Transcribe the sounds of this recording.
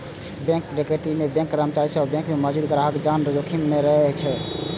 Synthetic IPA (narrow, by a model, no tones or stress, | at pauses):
bɛ̃ŋkːɾekeʈimebɛ̃ŋkːɾəmt͡ʃaɾisəbbɛ̃ŋkmemɔd͡ʒud̪kəɾaɦəked͡ʒanɾəd͡ʒokʰimːeɾəɦɛt͡ʃʰɛ